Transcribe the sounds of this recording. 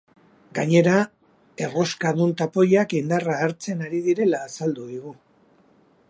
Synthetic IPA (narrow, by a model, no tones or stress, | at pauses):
ɡaɲe̞ɾa | e̞ro̞skaðunt̪apo̞jakind̪araːɾt͡se̞naɾið̞iɾe̞laːsald̪uðiɣu